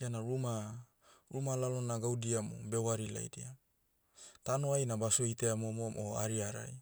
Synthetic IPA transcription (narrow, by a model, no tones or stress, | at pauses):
ianaɾuma | ɾumalalonaɡawdiamo̰be̞waɾila̰jdia | tanoajnabasoiteamomomʔoaɾiaɾa̰j